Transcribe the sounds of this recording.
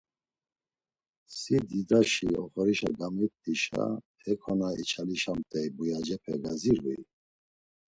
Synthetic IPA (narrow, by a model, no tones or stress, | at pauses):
sid̪id̪aʃiɔχɔɾiʃaɡamit̪ːiʃa̰ | hɛkʰɔnait͡ʃʰaliʃamt̪ʼɛjbujad͡ʒɛpʰɛɡaziɾuj